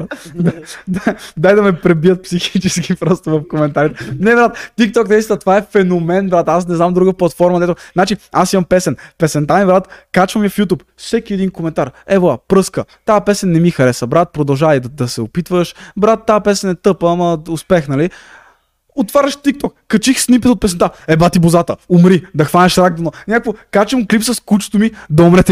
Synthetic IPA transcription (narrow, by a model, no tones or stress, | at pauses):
ad̪ad̪ajd̪ɐmɛpɾɛbiət̪̚psixit͡ʃɛskipɾɔst̪ovɐfkomɛnt̪aɾit̪ɛnɛbɾat̪t̪ik̚t̪ɔk̚d̪ɐisinət̪ovaɛfɛnomɛnbɾat̪as̬nɛznamd̪ɾuɡəplˠɐt̪fɔɾmɐd̪ɛt̪ʊznat͡ʃiasimɐmpɛsɛnpɛsɛnt̪aibɾat̪kat͡ʃvəmiəfjut̪upfsɛkiɛd̪inkomɛnt̪aɾɛboapɾɤskət̪apɛsɛnːɛmixɐɾɛsəbɾat̪̚pɾod̪ɐlˠʒavɐid̪d̪ɐsɛopit̪vəʃbɾat̪̚ːapɛsɛnɛt̪ɤpamɐʊspɛxnɐli | ot̪vaɾʲəʃt̪ik̚t̪ɔkːɐt͡ʃixsnimpɛt̪ot̪̚pɛsɛnt̪aɛbat̪ibʊzat̪əʊmɾid̪ɐxvanʲəʃɾaɡ̚d̪ononʲakvokat͡ʃəmklipsəskut͡ʃo̥t̪omid̪ɐomɾɛt̪ɛ